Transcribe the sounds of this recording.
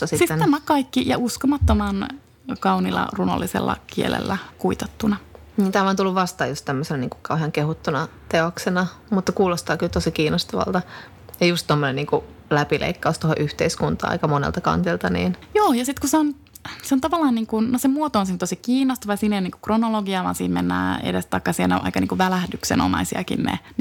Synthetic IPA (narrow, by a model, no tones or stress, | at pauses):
ɑsitsit̪ːnæmækɑikːijɑ̰ʔuskomɑt̪ːomɑn | kɑunilːɑ̰runo̰lːisḛlːɑ̰kiḛlḛlːækuit̪et̪ːunɑ | niːnt̪æːʋɑnt̪ulːuʋʋɑst̪ɑːjust̪t̪æmːøsenɑniːŋku̥kɑuheɑŋkehut̪ːunɑt̪eoksenɑmut̪ːɑkuːlost̪ɑːkylt̪osikiːnost̪ɑʋɑ̰lt̪ɑ | jɑjust̪t̪omːoneniːŋku | læpilʔḛikːɑust̪oho̰ʔyht̪eiskunt̪ɑ̰ːɑ̰ikɑmonḛlt̪ɑkɑ̰nt̪ilt̪ɑnḭːnjoːjɑsit̪kuseon | seont̪ɑʋɑlːɑːnniːŋkunnosemuot̪ooːnsint̪osikiːnːost̪ɑʋɑjɑsiːnejoniːŋku̥kronoloɡiɑʋɑ̰ːnsiːmmenːæ̰ːḛdest̪ɑikːɑsienːeo̰ʔɑ̰ikɑnḭːkuʋʋælæhdyksḛno̰mɑ̰isiɑ̰kḭnnḛn